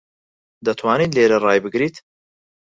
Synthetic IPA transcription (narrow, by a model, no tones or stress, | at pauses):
d̪ɐt̪ʰwaːniːt̪leːɾɐrɑːjbɨɡɾiːt̪